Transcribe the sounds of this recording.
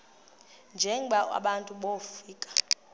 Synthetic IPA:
nd͡ʒʱɛŋɓaa̰ɓantʼuɓofiːkʼḁ

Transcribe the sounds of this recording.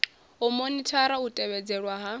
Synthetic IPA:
ɔmonitʰaɾautʼɛβɛd͡zɛɺwaɦa

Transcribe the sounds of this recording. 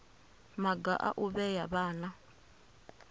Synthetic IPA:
maɡa̰ʔa̰ʔuβɛjaβaːna

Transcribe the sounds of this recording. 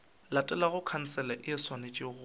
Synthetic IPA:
latʼɛlaɣʊkʰan̩t͡sɛlaʔɪɪswanet͡ʃʼɪɣʊ

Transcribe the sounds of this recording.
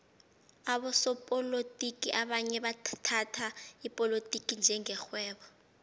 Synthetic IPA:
aɓɔsɔpʼɔlotʼikʼiʔaɓaɲɛɓatʰatʰaipʼɔlotʼikʼind͡ʒʱɛŋɛxwɛːɓɔ

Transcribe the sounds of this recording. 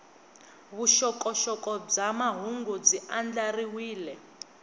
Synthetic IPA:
βuʃɔkɔʃɔkʼɔb͡ʐamaɦuŋɡud͡ziand͡ɮariwiːlɛ

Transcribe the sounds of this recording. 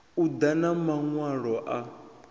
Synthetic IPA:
ud̪anamaŋwaɺɔʔa

